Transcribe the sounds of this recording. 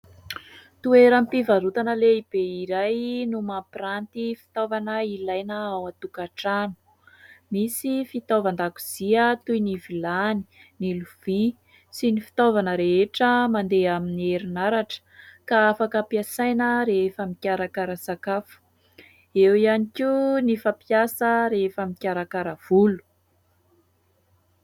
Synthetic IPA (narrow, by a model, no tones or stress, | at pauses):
t̪ueɾəmpivaɾut̪anəleib̥eiɾajnumaprant̪ifi̥t̪ovanəilajnəawat̪ukaʈ͡ʂanu̥ | misifit̪ovand̪akuz̥iət̪ujnivilani̥niluv̥i | sinifi̥t̪ovanəɾeʈ͡ʂəmand̪eaminieɾinaɾaʈ͡ʂə̥kaafakəpiasajnəɾefəmikʲaɾakaɾəsakafu̥ | ewianikʲinifapiasəɾefəmikʲaɾakaɾəv̥ulu̥